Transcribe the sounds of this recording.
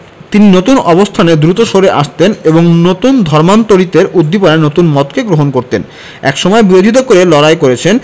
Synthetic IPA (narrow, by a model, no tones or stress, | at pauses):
t̪ininot̪unɔbost̪ʰaned̪ɾut̪oʃoɾeʔaʃt̪eneboŋnot̪und̪ʱɔɾmant̪oɾit̪eɾud̪ːipoɾenot̪unmɔt̪keɡɾoɦonkoɾt̪en | ɛ̰kʃɔmɔebiɾod͡ʑʱit̪̬okoɾelɔɾajkoɾet͡ɕʰen